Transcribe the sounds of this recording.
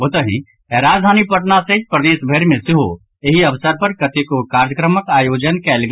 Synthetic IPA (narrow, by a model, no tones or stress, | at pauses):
ɦot̪əɦḭ̃ | ɛɾaːd͡ʒd̪ʱaːnipəʈnasẽd͡ʒpɾəd̪eːʃbʱeɾmesɪɦo | eɦiɐbsəɾpəɾkət̪ekokaːɾjəkɾəməkaːjoːd͡ʒənkɛːlɡ